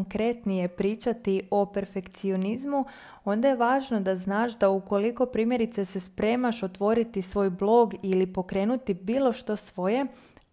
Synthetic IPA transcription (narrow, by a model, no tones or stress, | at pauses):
ŋkɾe̞t̪nije̞pɾiːt͡ʃat̪iʔo̞pe̞ɾfe̞kt̪sio̞nizmu | o̞nd̪aje̞ʋaːʒno̞d̪aznaːʃd̪auko̞liko̞pɾiːmje̞ɾit̪sese̞spɾe̞ːmaʃo̞t̪ʋo̞ɾit̪isʋo̞ːjblˠo̞ɡilipo̞kɾeːnut̪ibiːlˠo̞ʃt̪o̞sʋo̞je̞